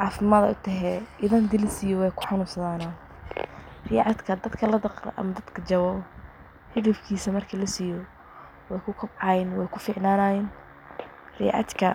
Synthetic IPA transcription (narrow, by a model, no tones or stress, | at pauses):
ʕɑːfɪmaːd̪ɐ̰ʊt̪ʰɐɦɛʔɪðɐnd̪ɪlɪsɪjɔwɛjkʰʊ̥ħɑnuːsɐðaːnɐ | riʕɑd̪kʰɐd̪ɐd̪kʰɐlɐd̪ɐqrɐ̰ʔɐ̰mɐd̪ɐd̪kʰɐt͡ʃɐwɔː | hɪðɐfkʰiːsɐmɐrkʰɐlɐsijɔ | wɛjkʰʊkʰʊbʕɑjɪnwɛjkʰʊfɪʕnaːnajɪn | r̥ḭʕɑ̰t̪kʰɐ